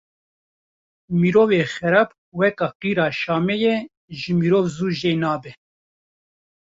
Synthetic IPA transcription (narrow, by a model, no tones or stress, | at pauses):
miɾoːveːxɛɾɑːb | wɛkɑːqiːɾɑːʃɑːmɛjɛ | ʒɨmiɾoːvzuːʒeːnɑːbɛ